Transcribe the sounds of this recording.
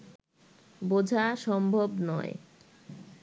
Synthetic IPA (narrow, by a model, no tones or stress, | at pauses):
bod͡ʑʱaʃɔmbʱobnɔ̰ḛ